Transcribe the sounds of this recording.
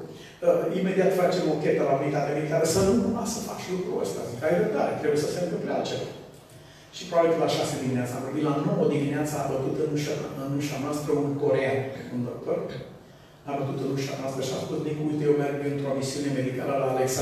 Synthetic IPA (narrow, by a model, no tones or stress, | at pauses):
əime̞d̪iat̪fat͡ʃe̞mokʲe̞t̪əlaubilit̪at̪eamed̪ikaɾəsanunumasəfa̰t͡ʃlukɾuə̰st̪a̰zikajɾəbd̪a̰ɾet̪ɾe̞bujesəfemkəpɾea̰lt͡ʃeva | ʃipoaɾkəlaʃased̪imineat̪səamvorbit̪lano̞wod̪imineat̪səːbət̪ut̪ɨnuʃaɨnuʃamaspɾeunko̞ɾeanund̪ok̚t̪or | abət̪ut̪ɨnunʃa̰masp̪eʃa̰skut̪d̪iŋkult̪ejewmerɡɨnt̪ɾomisiune̞me̞d̪ikaləlaleksa